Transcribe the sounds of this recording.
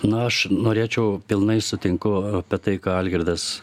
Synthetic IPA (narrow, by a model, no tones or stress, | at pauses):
nʊɐʃnoːɾʲeːt͡ʃʲɛʊpʲɪlˠnɐɪsʊt̪ʲɪŋkʊɐpʲɛt̪ɐɪkɑɐlʲɡʲɪɾʲd̪ɐs